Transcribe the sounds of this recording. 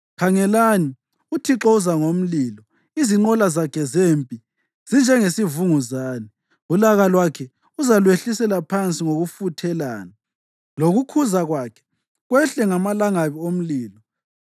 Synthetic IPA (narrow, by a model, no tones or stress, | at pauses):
kʰaŋɛlani | utʰiǁɔuzaŋom̩liːlɔ | iziŋ͡ǃɔlazakʰɛzeːmpʼi | z̥ind͡ʒʱɛŋesivuŋuzaːni | βulaɣalwakʰɛ | uzalweɬisɛlapʰant͡sʼiŋoɣufutʰɛla̰ːna | loɣukʰuzaɣwaːkʰɛ̥ | ɣwɛɬɛŋamalaŋaβiom̩liːlɔ